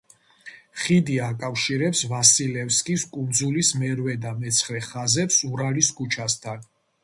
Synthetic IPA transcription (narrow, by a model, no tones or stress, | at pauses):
χid̪iakʼafʃiɾɛpsvasilɛfskʼiskʼund̪zulismɛɾwɛd̪amɛt̪sʰχɾɛχazɛpsuɾaliskʼut͡ʃʰast̪ʰan